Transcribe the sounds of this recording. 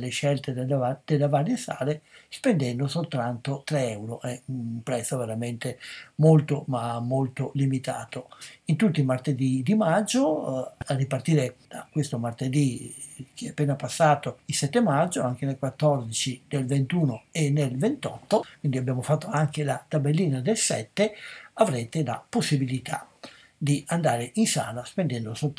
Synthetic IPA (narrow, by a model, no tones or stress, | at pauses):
leʃɛlt̪ed̪elad̪̥elːevaɾjesa̰ːlespend̪ɛnd̪osolt̪ɾant̪ot̪ɾɛɛwɾoʔɛunmpɾɛt̪sːoveɾament̪emolt̪omamːolt̪olimit̪a̰ːt̪oint̪ut̪ːimart̪ed̪id̪imad͡ʒːoarːipart̪iːɾed̪̥akwest̪omart̪ed̪ik̟ʰeapːeːnapasːaːt̪oilsɛt̪ːemad͡ʒːoaŋk̟enelkwat̪ːɔrd̪it͡ʃid̪elvent̪uːnoenːelvent̪ɔt̪ːokwind̪iabjaːmofat̪ːoaŋk̟elat̪abelːiːnad̪elsɛ̰t̪ːeavɾeːt̪ela̰posːibilit̪a̰ | d̪iand̪aːɾeʔinsa̰ːlaspend̪ɛnd̪osot̪ː